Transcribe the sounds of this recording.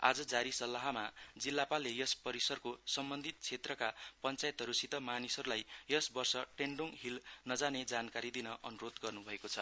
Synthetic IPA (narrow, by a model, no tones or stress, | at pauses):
a̰d͡zʌd͡zaɾisʌlːaɦamad͡zilːapalːejʌspʌɾisʌrkosʌmbʌnd̪ʱit̪̚t͡sʰet̪rʌkapʌnt͡sajet̪ɦʌɾusit̪ʌmanisʌɾulajjʌsbʌrsʌʈeɳɖoŋɦilnʌd͡zaned͡zankaɾid̪inʌʔʌnuɾod̪ɡʌrnubʱʌekot͡sʰʌ